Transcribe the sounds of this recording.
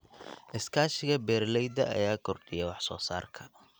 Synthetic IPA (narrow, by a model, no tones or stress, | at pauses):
ʔɪskʰaːʃɪɣɐbɛːrlɛjd̪ɐʔɐ̰jaːkʰʊrd̪ɪjɛwɑħsɔːsa̰ːrkʰɐ̥